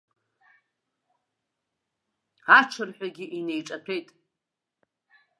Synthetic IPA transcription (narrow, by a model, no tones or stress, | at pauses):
aʈ͡ʂʰɨrħʷᶣaɡʲiʔine̞jʈ͡ʂʼapʰe̞jtʼ